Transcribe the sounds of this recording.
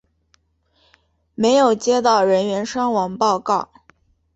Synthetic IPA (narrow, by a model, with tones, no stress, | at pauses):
me˧˥ɪjo˨˩ʊt͡ɕjɛ˥t̪ɑ˥˩ʊɻə˧˥nɥɛ˧˥nʂɑ˥ŋwɑ˧˥ŋpɑ˥˧ʊkɑ˥˩ʊ